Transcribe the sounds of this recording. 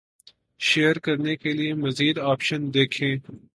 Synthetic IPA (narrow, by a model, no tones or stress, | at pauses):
ʃeːəɾkɐɾnekeliemɐziːd̪aːpʃənd̪eːkʰẽː